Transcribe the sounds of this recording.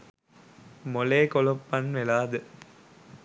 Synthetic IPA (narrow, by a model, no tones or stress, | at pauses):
moleːkɔlopːɐnʋelaːd̪ɯ